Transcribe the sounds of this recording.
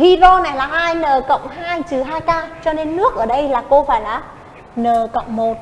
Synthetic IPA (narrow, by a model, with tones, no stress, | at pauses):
vi˧zo˧na˨˩jlaː˨˩haː˧jnəː˨˩kə̰˧˨wŋ͡mɦaː˧jt͡ɕɨ˨˩ɦaː˧jkaː˧t͡ɕɔ˧ne˧nːɨ˦˥ək̚ʔəː˧˩ɗə˧jlaː˨˩ko˧faː˧˩jlaː˨˩ | nəː˨˩kə̰˧˨wŋ͡mmo˨˩t̚